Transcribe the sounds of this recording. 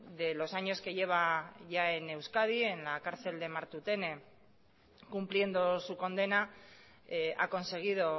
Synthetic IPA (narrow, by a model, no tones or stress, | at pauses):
ðe̞lo̞saɲo̞ske̞ʝe̞β̞aʝae̞ne̞wskað̞ie̞nlakaɾθe̞ld̪e̞maɾt̪ut̪e̞ne | kumplie̞nd̪osuko̞nd̪e̞na | a̰ko̞nse̞ɣ̞iðo̞